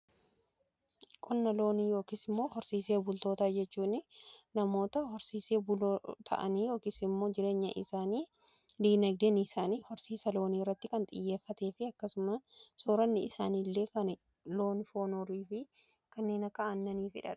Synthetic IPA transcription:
kʼʊnːɐlo̞ːniːjo̞ːkisɪmːo̞ːhɔɾsiːseːbʊlt̪o̞ːt̪aːd͡ʒɛt͡ʃːuːnɪnɐmo̞ːt̪ɐhɔɾsiːse̞ːbʊloːt̪ʰɐ̰ʔɐ̰niːjo̞ːkiːsɪmːo̞ːd͡ʒɪɾe̞ːɲːɐ̰ʔɪ̰saːniː | d̪iːnɐɡ̚d̪ɛnisaːniːhɔɾsiːsɐlo̞ːniːrːɐt̪ːɪkɐnt̪ʼɪ̰jːe̞ːfːɐt̪eːfɪɐkːɐsʊmɐsoːɾɐnːɪɪsaːnilːe̞ːkɐn | lo̞ːnɪfo̞ːnoɾiːfɪ | kɐnːe̞ːnɐkːɐʔɐnːɐniːfɪ̰ᶑɐ̰ᶑ̥

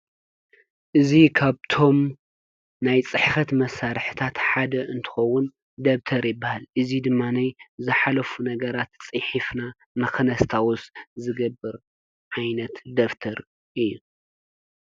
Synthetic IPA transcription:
ʔɨzikʰaβt̪ʰo̞m | najt͡sʼɨħfɐt̪mɐsːaɾħɨt̪ʰat̪ħad̪ɐʔɨnt̪ʰɨ̥xɐwːʊn | d̪ɐβt̪ʰɐɾjɪbːahalʔɨzid̪ɨmːanajzɨħalɐfunɐɡɐɾat̪t͡sʼɨħifna | nɨkɨnɐst̪ʰawʊszɨɡɐbːɨɾ | ʕajnɐt̪d̪ɐft̪ʰɐɾ | ʔɨjːu

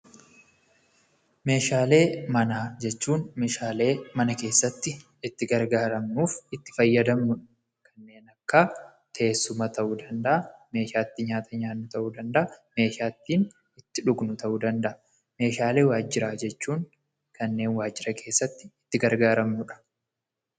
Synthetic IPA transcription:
me̞ːʃaːle̞ːmɐnaːd͡ʒɛt͡ʃːuːnme̞ːʃaːle̞ːmɐnɐke̞ːsːɐt̪ːɪ | ɪt̪ːɪɡɐɾɡaːɾɐmnuːfɪt̪ːɪ̥fɐjːɐd̪ɐmnʊᶑɐ̥ | kɐnːe̞ːnɐkːaː | t̪ʰɐʔeːsːʊmɐt̪ɐʔuːd̪ɐnd̪ɐʔɐme̞ːʃaːt̪ːɪɲaːt̪ʰɐɲaːnːʊt̪ɐʔuːd̪ɐnd̪ɐʔɐme̞ːʃaːt̪ːiːn | ɪt̪ːɪᶑʊɡnʊt̪ɐʔuːd̪ɐnd̪ɐʔɐ | me̞ːʃaːle̞ːwaːd͡ʒːɪɾaːd͡ʒɛt͡ʃːuːn | kɐnːe̞ːnwaːd͡ʒːɪɾɐkʰe̞ːsːɐt̪ːɪɪt̪ːɪɡɐɾɡaːɾɐmnʊᶑɐ̥

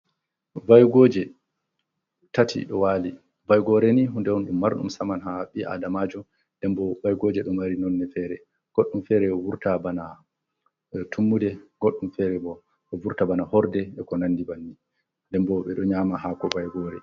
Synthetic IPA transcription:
vajɡɔːd͡ʒɛ | tatʰḭɗɔwaːli | vajɡɔɾɛniɦundɛwɔnɗumːaɾɗṵmsamanɦaɓiʔa̰damad͡ʒɔ | ndɛmbɔvajɡɔːd͡ʒɛɗɔmaɾinɔnːɛfɛɾɛ | ɡ̥oɗːumfɛɾɛɔwuɾtabana | tumːudɛɡ̥oɗːumfɛɾɛbɔ | ɔvuɾtabanahɔɾdɛɛkɔnanːdibanːi | ndɛmbɔɓɛɗɔɲamaɦakɔvajɡɔːɾɛ̰

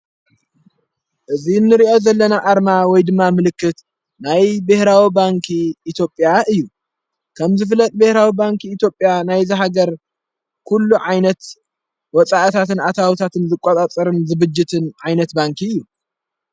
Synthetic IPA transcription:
ʔɨzinːɨɾiʔo̞zɐlːɐnaʔaɾmawɔjd̪ɨmːamɨlɨkːɨt̪ | najbehɾawibaŋkʰiːt̪ʰjo̞pʼjaʔɨjːu | kʰɐmzɨf̬lɐt̪ʼbɨhɾawibaŋkʰiːt̪ʰjo̞pʼjanajzɨɦaɡɐɾ | kʰulːuʕajnɐt̪ | wɔt͡sʼaʔt̪ʰat̪ɨnat̪ʰawit̪ʰat̪ʰɨnzɨkʼot̪ʼat͡sʼɐɾɨnzɨβɨd͡ʒːɪt̪ʰɨnʕajnɐt̪baŋkʰiɨjːu

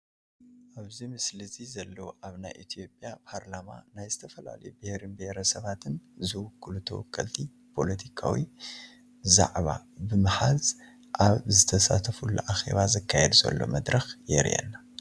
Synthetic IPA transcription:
ʔaβzimɨslɨzizɐlːɐwʔaβnajʔit̪ʰijo̞pʼːjapʰaɾlama̰najzɨt̪ʰɐfɐla̰lɐjubɪhɾɨnbheɾɐsɐβat̪ʰɨnzɨwʊkʰːɨlut̪ʰɐ̰wɔkʼːɐlt̪ʰi | pʰo̞lɐt̪ʰikʰa̰wi | za̰ʕβa̰bɨmɨħaz | ʔaβzɨt̪ʰɐsa̰t̪ʰɐfulːṵʔaxe̞̰βazɐkʰːajɛd̪zɐ̰lːo̞̰mɐd̪ɾɐxjɛ̰ɾḭjɛ̰nːa

